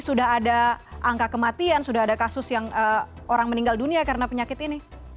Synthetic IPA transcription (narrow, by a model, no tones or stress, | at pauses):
sudaɦadaʔaŋkakəmat̪iansudahadakasʊsjaŋəː | oɾaŋməniŋɡalduniakaɾənapəɲakɪt̪ini